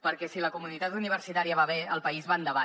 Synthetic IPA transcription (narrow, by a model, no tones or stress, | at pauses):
pəɾkɛsiləkumunit̪at̪uniβ̞əɾsit̪aɾiəβaβeəlˠpəizβand̪əβa